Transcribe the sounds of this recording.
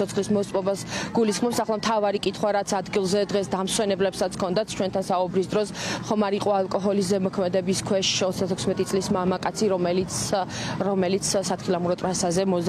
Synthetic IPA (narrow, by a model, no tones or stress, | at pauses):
ɔt̪sʰχlismɔt̪sʼɔbasɡ̥ulisχmɔpsaχlˠamt̪ʰavaɾikʼit̪ʰχwaɾat̪sʰad̪ɡilˠzɛd̪ʁɛsd̪amswɛnɛblɛpsat̪sʰkʰɔnd̪at̪sʰt͡ʃʰwɛnt̪ʰansaubɾisd̪ɾɔsχɔmaɾiqʼɔalˠkʼɔɦɔlis̬zɛmɔkʰmɛd̪ɛbiskʰwɛʃɔt̪sd̪at̪ʰɛkʰsmɛt̪ʼisʼlismamakʼat̪sʰiɾɔmɛlit̪ɾɔmɛlit̪sʰsat̪ʰχilˠamuɾɔt̪ʼɾasazɛmɔz